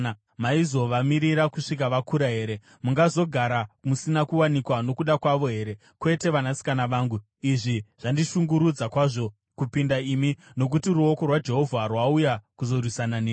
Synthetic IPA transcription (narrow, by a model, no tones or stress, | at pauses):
a | maizo̞ʋamiɾiɾakuʂik̬aʋakuɾaɦe̞ːɾe̞ | muŋɡazo̞ɡʱaɾamusinakuwanikwano̞kuɗakwaʋo̞ɦe̞ːɾe̞ | kwe̞te̞ʋanasi̥kanaʋaːŋɡu | iʐiʐ̥andiʃuŋɡuɾud͡zakwaʐo̞ | kupindaimino̞k̬utiɾuo̞ko̞rwad͡ʒe̞ɦo̞vʱarwaujakuzo̞rwisananeː